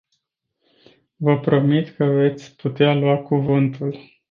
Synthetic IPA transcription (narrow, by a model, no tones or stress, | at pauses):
vəpɾo̞mit̪kəve̞t̪sʲput̪ealwakuvɨnt̪ul